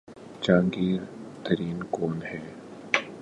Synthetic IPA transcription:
d͡ʒãːŋɡiːɾt̪əɾiːnkoːnhɛː

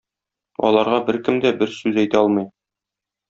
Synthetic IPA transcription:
ɒ̰lˠɑɾʁɑbɘɾkɘmd̪æbɘɾsʉzæjt̪æɒlˠmɤj

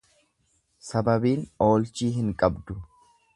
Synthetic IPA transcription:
sɐbɐbiːno̞ːlt͡ʃiːɦɪŋkʼɐbd̪ʊ

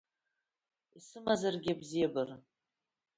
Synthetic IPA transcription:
isɨmazarɡʲɪabzijabɨr

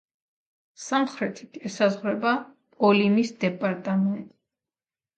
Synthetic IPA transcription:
samχɾɛt̪ʰi̥t̪ʰɛsazʁwɾɛbapʼɔlimisd̪ɛpʼaɾt̪ʼamɛnt̪ʼi

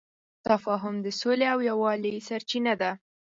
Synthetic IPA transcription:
t̪afɑɦʊmd̪əsoleawjawɑlisaɾt͡ʃinad̪a

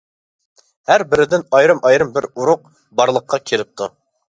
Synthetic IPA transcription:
hæɾbɪɾɪd̪ɪnɑjɾɨmɑjɾɨmbɪɾuɾʊq̚ | bɑɾlˠəqʰːɑkʲʰeɾɪp̚t̪ʰu

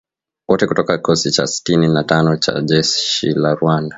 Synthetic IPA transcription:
wɔtɛkutɔkakikʰɔsit͡ʃa̰si̥tininatanɔt͡ʃa̰ʄɛʃḭlaɾuanda

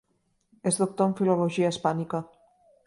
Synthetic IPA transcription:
ezðok̚t̪oɱfiloloʒiaspanika

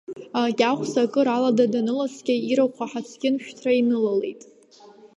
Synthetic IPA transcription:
akʲʼaχʷsakʼɨɾaladadanɨlat͡sʰɡʲaiɾawqʷʰaħat͡sʰɡʲɪnʃᶣtʰrainɨlale̞̰jtʼ

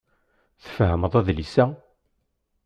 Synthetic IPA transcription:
θə̥fhəməðˤæðlisæ

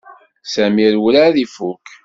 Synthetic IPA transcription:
sæmilwəlaðifuk

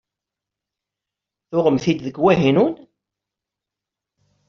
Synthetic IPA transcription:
θʊʁəmθid̪ðəɡwæɦinun

